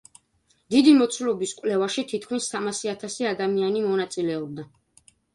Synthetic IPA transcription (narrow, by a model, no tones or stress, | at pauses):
d̪̥id̪imɔt̪sʰulɔbiskʼwlɛvaʃit̪ʰit̪̚ʰkʰmisːamasiat̪ʰasiad̪amianimɔnat̪sʼilɛɔb̚d̪a